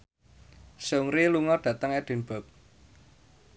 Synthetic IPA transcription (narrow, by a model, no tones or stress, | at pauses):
soŋɾiluŋɔɖ̥ä̤t̪əŋɛd̥e̤nb̥ɔ̤p̚